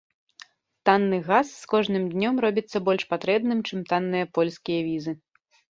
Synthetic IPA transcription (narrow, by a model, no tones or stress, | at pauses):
t̪anːɨɣasːkɔʐnɨmd̪ʲnʲɔmɾɔbʲit̪sːɐbɔlʲʂpat̪ɾɛbnɨmt͡ʂɨmt̪anːɨjɐpɔlʲskʲijɐvʲizɨ